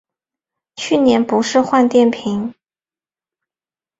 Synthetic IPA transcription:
t͡ɕʰy˥˩njɛ˧˥npu˧˥ʂɻ̩˥˧xwa˥˧nt̪jɛ˥˩npʰi˧˥ŋ

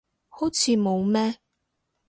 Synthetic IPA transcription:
ho˨˥wt͡sʰiː˨˧mo˨˧wmɛː˥

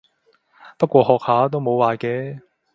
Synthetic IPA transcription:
pɐ˥t̚kʷɔː˧hɔː˨k̚haː˨˥t̪o˥wmo˨˧waː˨˩kɛː˨˦

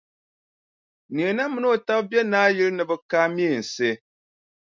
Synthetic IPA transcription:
ni˨e˨na˦mɨ˨˦n˦o˨ta˦bbjɛ˦naː˦jɪ˦ɾɨ˦nɨ˨bɨ˦kaː˦mi˦e˨n̩˨se˦

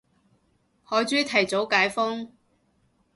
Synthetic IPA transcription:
hɔː˨˥jt͡ʃyː˥t̪ʰɐ˨˩jt͡so˨˥wkaː˨˥jfɔ˥ŋ

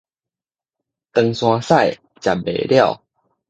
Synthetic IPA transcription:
t̪ə˧ŋsw̃ã˧sa˥˨j | t͡ɕja̰˨˩bḛ˨˩lja˥˨ʊ

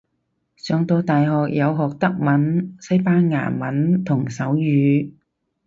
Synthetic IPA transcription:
sœː˨˧ŋt̪o˧wt̪aː˨jɦɔː˨k̚jɐ˨˧wɦɔː˨k̚t̪ɐ˥k̚mɐ˨˥nsɐ˥jpaː˥nŋa̰ː˨˩mɐ˨˥nt̪ʰʊ˨˩ŋsɐ˨˥wjyː˨˧

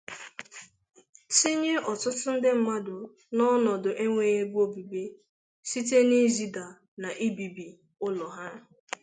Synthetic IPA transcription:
si˦ɲe˦ʔɔ˨tʊ˦tʊ˦n̩˦dɪ˦m̩˨ma˦dʊ˨ | nɔ˦nɔ˨dʊ˨ʔe˦ŋʷe˨je˦bu˦o˦bi˨be˦ | si˦t̬e˦ni˦zi˦da˨ | na˨ʔi˦bi˨bi˨ | ʊ˦lɔ˨ɦa˦

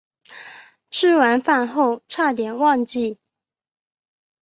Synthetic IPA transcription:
ʈ͡ʂʰɻ̩˥˩wa˧˥nfa˥˧nxo˥˧ʊʈ͡ʂʰa˥˩t̪jɛ˨˩nwɑ˥˧ŋt͡ɕi˥˩

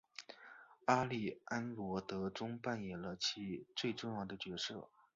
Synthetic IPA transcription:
a˥li˥˩a˥nlwɔ˧˥t̪ɤ˧˥ʈ͡ʂʊ˥ŋpa˥˩njɛ˨˩nlə˧t͡ɕʰi˧˥t͡swe˥˧ɪʈ͡ʂʊ˥˧ŋjɑ˥˩ʊd̪ə˩t͡ɕɥɛ˧˥ʂɤ̰˥˩

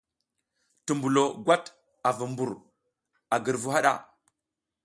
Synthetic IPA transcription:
tu˨mbu˨lo˨ɡwa˦t | a˨vu˨mbu˨ɾ | a˨ɡə˨ɾvu˦ɦa˦ɗa̰˦

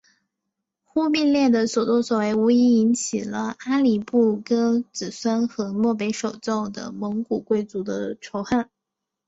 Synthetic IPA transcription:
xu˥pi˥˧nljɛ˥˩d̪ə˩swɔ˨˩t͡swɔ˥˩swɔ˨˩we˧˥ɪu˧˥i˧˥i˧˥nt͡ɕʰi˨˩lə˦a˥li˨˩pu˥˩kɤ˥t͡sɹ̩˨˩swa˥nxɤ˧˥mwɔ˥˩p̬e˧˥ɪʂo˨˩ʊt͡so˥˩ʊd̪ə̰˩mɤ˧˥ŋku˨˩kwe˥˩ɪt͡su˧˥d̪ə˧ʈ͡ʂʰo˧˥ʊxa˥˩n

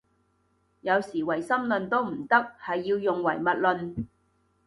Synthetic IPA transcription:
jɐ˨˧wsiː˨˩wɐ˨˩jsɐ˥mlɵ˨nt̪o˥wm̩˨˩t̪ɐ˥k̚hɐ˨jːiː˧wjʊ˨ŋwɐ̰˨˩jmɐ˨t̚lɵ˨˧n

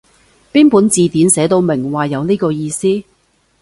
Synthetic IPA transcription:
piː˥npuː˨˥nt͡siː˨t̪iː˨˥nsɛː˨˥t̪o˨˧wmɪ˨˩ŋwaː˨jɐ˨˧wniː˥kɔː˧jiː˧siː˥

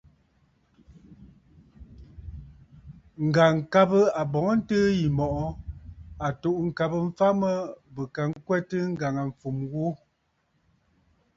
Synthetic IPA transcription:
ŋ̩˨ɡa˨ŋ̩˨ka˦bə˦a˨bɔ˨˦ŋɔ˦n̩˦təː˦ji˨mɔ˨ʔɔ˦ | a˨to˨ʔŋ̩˨ka˨bə˦m̩˦fa˦mə˦bə˨ka˨ŋ̩˦kwɛ˦tɨ˦ŋ̩˦ɡa˨ŋa˨ɱ̩˨fu˨mwu˦

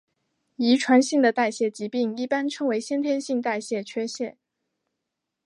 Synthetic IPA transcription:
i˧˥ʈ͡ʂʰwa˧˥nɕi˥˩ŋd̪ə˩t̪a˥˧ɪɕjɛ˥˩t͡ɕi˧˥pi˥˩ŋi˥˩pa˥nʈ͡ʂʰɤ˥ŋwe˧˥ɪɕjɛ˥nt̪ʰjɛ˥nɕi˥˧ŋt̪a˥˧ɪɕjɛ˥˩t͡ɕʰɥɛ˥ɕjɛ˥˩

